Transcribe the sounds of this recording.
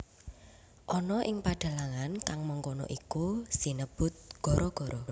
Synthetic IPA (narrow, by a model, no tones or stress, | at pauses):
ʔɔnɔʔɪŋpaɖ̥a̤laŋankaŋməŋkonɔ̰ʔikusi̤nəb̥ʊ̤t̪̚ɡ̥ɔ̤ɾʔɔɡ̥ɔ̤ɾʔɔ